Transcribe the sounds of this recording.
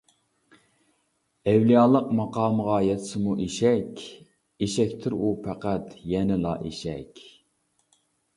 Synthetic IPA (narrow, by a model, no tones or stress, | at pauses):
ɛwlijɑːlˠəqmɑqʰɑːməʁɑjɛt̪ʰɪ̥sɪmuʔeʃɛkʲ | eʃɛkʲt̪ʰɪɾupʰæqæt̪jɛnɪlɑ̰ʔḛʃɛ̰kʲ